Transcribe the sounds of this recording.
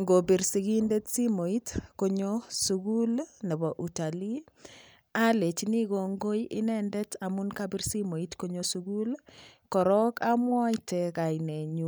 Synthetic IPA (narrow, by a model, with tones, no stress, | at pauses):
ŋɡo˨bi˨ɾsi˦ɡi˦nde˦tsi˦mo˨i˦tko˦ɲosuɡu˦lnɛ˨bɔ˨ʔu˨ta˨li˦ | a˦le˨t͡ʃni˦ɣo˨ŋɡo˦jʔɪ̰˦nɛ˦ndɛ˦tamu˦nkabi˦ɾsi˦mo˨itko˦ɲosuɡu˦lkɔ˨ɾɔ˦ka˦mwɔ˦teka˨ine˨ɲu˨